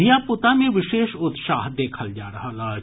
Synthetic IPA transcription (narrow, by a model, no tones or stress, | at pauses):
ijapʊt̪amẽʋɪʃeːʃʊt̪ʃaːɦd̪eːkʰəld͡ʒaːɾɐɦalaː